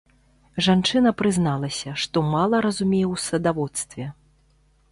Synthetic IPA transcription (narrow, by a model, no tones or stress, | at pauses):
ʐant͡ʂɨnɐpɾɨznalˠɐsʲɐʂt̪ɔmalˠɐɾɐzumʲejɛwsɐd̪avɔt̪st̪vʲɛ